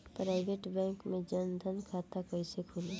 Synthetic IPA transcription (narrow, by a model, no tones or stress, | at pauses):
pɾaːɪbeːʈbɛ̃ːŋkmẽd͡ʒənd̪ʱənkʰaːt̪akəɪsekʰʊleː